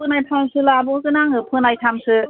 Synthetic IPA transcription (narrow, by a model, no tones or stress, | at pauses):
ɯnajpʰamsɯlabɔŋkɯnaŋhɯpʰɯnajtʰamsɯ